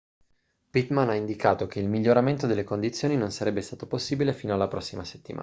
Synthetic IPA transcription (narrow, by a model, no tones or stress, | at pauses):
pit̪manaind̪ikaːt̪okeilmiʎːoɾament̪od̪elːekond̪it̪sːjoːninonsaɾɛbːest̪aːt̪oposːiːbilefiːnoalːapɾɔsːimase̥t̪ːima̰